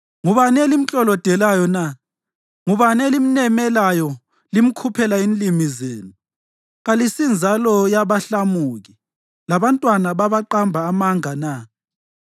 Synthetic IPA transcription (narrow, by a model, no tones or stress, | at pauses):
ŋuβanɛlim̩t͡ɬʼɔlɔd̥ʱɛlajɔna | ŋuβanɛlim̩nɛmɛlajɔ | lim̩kʰupʰɛlainlimizeːnu | ɣalisind͡zʱalɔjaβaɬamuɣi | laβantʼwanaβaβaǃambʱaːmaŋana